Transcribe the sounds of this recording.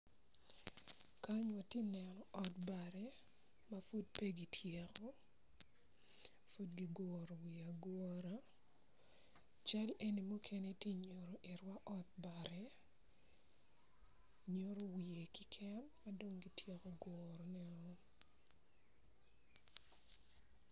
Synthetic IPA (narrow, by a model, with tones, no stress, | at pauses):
ka˦ɲwa˨tje˦nɛ˨nɔ˨ɔ˦t̚ba˨ɾɛ˦ | mafu˦d̚pe˦ɡi˨tʰje˦kɔ˦ | fu˦dɡi˦ɡɔːɾo˨wi˨a˨ɡɔɾa˦ | t͡ʃa˦le˦ni˨mu˦kʰe˦ne˦tje˦ɲo˨ɾo˨ʔɪ˨ɾwa˦ʔɔ˦t̚ba˨ɾɛ˦ | ɲo˦ɾo˦wi˨e˨kɪ˦kʰɛ˦mːa˦do˦ŋɡi˨tʰje˦ko˨ɡɔɾo˨nɛ˦ɔ